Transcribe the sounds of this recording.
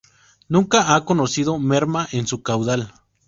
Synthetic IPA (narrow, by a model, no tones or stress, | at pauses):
nũŋkaakonosiðomeɾmaʔensukawðal